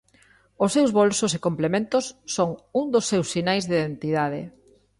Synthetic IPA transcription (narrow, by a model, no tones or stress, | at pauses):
osewzβolsosekomplemẽnt̪osːoŋuŋd̪osːewsːinajzðiðent̪iðaðɪ̰